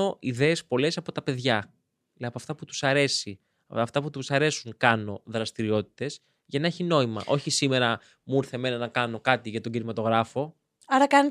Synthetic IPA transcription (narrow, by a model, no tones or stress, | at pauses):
o̞ʔiðe̞ːspo̞le̞sɐpo̞t̪ɐpe̞ðʝɐ | pɐft̪ɐput̪u̥sɐɾe̞si | ɐft̪ɐput̪usɐɾe̞suŋkɐno̞ðɾɐst̪iɾio̞t̪i̥t̪e̞z | ʝɐnɐe̞çino̞imɐ̰ʔo̞çisime̞ɾɐ | muɾθe̞me̞nɐnɐkɐno̞kɐt̪iʝɐt̪o̞ɟinimɐt̪o̞ɣɾɐfo̞ | ɐɾɐkɐn